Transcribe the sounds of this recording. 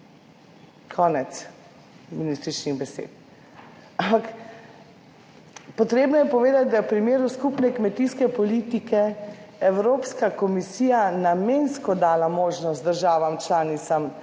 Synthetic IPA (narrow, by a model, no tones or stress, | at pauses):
kʰɔːnɛt̪s | minist̪ɾit͡ʃniɣbɛsḛːt̪̚ | ampak | pɔt̪ɾeːbnɔjɛpɔʋeːd̪at̪̚d̪awpɾimeːɾuskupnɛkmɛt̪iskɛpɔlit̪ikɛɛwɾoːpskakɔmisiːjanameːnskɔd̪aːlamoːʒnɔst̪d̪əɾʒaːʋamt͡ʃlaːnit̪sam